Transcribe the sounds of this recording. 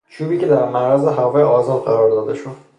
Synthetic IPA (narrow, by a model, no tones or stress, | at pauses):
t͡ʃʰuːbiːce̞d̪æɾmæɾæzeɦævɒːjeɒːzɒːd̪̚ɢæɾɒɾd̪ɒːd̪eʃud̪